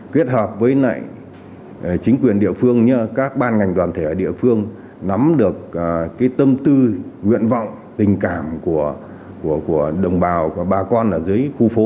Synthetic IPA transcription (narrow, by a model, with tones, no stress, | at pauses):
kwi˦˥ət̚həː˨˩p̚vəː˨˦jna̰ː˧˨j | t͡ɕï˨˦ŋ̟kwi˨˩ənɗḭ˧˨əfɨ˧əŋɲə˧kaː˦˥k̚ɓaː˧nŋa˨˩jŋ̟t̪waː˨˩nt̪ʰe˧˩əː˧˩ɗḭ˧˨əfɨ˧əŋ | na˨˦mɗɨ˨˩ək̚ːkːaː˨˦jt̪ə˧mt̪ɨ˧ŋwḭ˧˨ənvɔ̰˧˨wŋ͡m | t̪ï˨˩ŋ̟kaː˧˩mku˧˩ə | ku˧˩əku˧˩əɗə˨˩wŋ͡mɓaː˨˩wɓaː˨˩kɔ˧nʔaː˨˩zɨː˨˦jxu˧fo˨˦